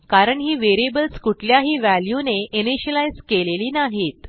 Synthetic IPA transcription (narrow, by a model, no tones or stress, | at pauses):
kaɾəɳɦiːʋeɾiebəlskuʈʰljaɦiːʋæljuneʔiniɕəlajzkeleliːnaɦiːt̪